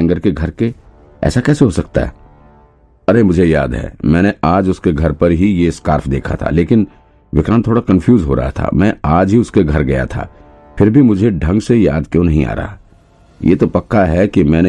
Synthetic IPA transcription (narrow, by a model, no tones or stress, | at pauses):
ŋɡəɾkeɡʱɐɾke | ɛ̰ːsakɛːseɦosɐk̚t̪a̰ɦɛ̰ | ɐɾemʊd͡ʒʱejaːd̪ɦɛ̰ːmɛ̃ːneaːd͡ʒʊskeɡʱɐɾpɐɾɦijeskaːɾfʰd̪eːkʰa̰t̪ʰa̰leːkɪn | ʋɪkɾaːnt̪ʰːoːɽakɐ̃nfʰjuːzɦo̰ɾɐ̰ɦa̰t̪ʰa̰mɛ̃ːaːd͡ʒɦiʊskeɡʱɐɾɡɐja̰t̪ʰa̰ː | pʰɪɾbʱimʊd͡ʒʱeɖʱɐ̃ŋɡseja̰ːd̪kjõnɐɦĩa̰ːɾɐ̰ɦa | jʔḛːt̪opɐkːaɦɛkimɛ̃ːne